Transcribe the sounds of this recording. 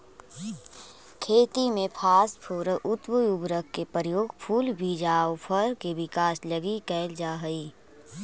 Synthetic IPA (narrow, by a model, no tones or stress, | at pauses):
kʰeːt̪imẽpʰaːspʰoːɾəʔʊt̪wəubɾəkːepəɾjoːɡpʰuːlbʱid͡ʒaːwpʰəɾkeʋɪkaːsləɡikɛːld͡ʒaːɦəiː